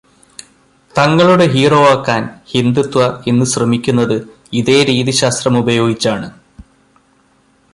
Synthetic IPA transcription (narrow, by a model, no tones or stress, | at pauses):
t̪ɐŋːɐɭuɽe̞ɦiːro̞ːʋaːkːaːnhind̪ut̪ːʋɐe̞nːɨɕrɐmikʲːunːɐðɨ | iðe̞ːɾiːðiɕaːst̪rɐmubɐjo̞ːɡit͡ɕːaːɳɨ